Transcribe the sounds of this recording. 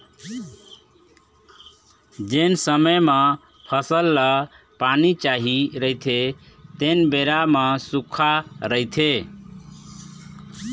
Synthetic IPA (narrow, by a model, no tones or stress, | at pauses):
d͡ʒensəməjmʌ | pʰʌsəlːə | panit͡ʃaɦiɾəjt̪ʰe | t̪enbeɾamʌsukʰaɾəjt̪ʰe